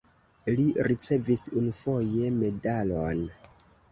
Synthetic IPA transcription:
liɾit͡se̞visunufo̞je̞me̞dalon

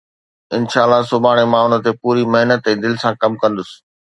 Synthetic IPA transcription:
ɪnʃaːlːasʊbaːɽ̃emãʊnə̆t̪epuːɾimɐɦnət̪ed̪ɪlɪsãkɐmkɐ̃nd̪ʊsɪ̥̆

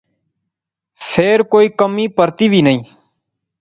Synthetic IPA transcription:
fʰeːɾkoːiːkəmːiːpəɾt̪iːʋiːnəĩː

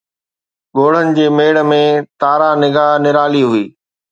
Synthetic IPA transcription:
ɠoːɽ̤ənɪ̆d͡ʑeːmeːɽmẽt̪aːɾanɪɡaːɦnɪɾaːliɦʊiː

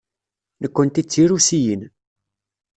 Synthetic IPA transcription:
nəkʷːənt̪it͡sːiɾusijən

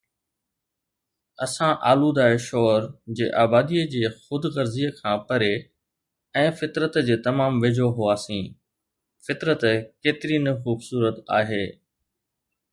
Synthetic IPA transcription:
ɐsãʔaːluːd̪aːeʃɔːɾd͡ʑḛːʔaːbaːd̪ijəd͡ʑeːxʊd̪ʱɣɐɾzijəkʰãːpɐɾe | ɛ̃ːfɪt̪ɾət̪d͡ʑeːt̪ɐmaːmʋɪd͡ʑʱoɦʊaːsĩː | fɪt̪ɾət̪keːt̪ɪɾinɐxuːbsuːɾət̪a̰ːɦeː

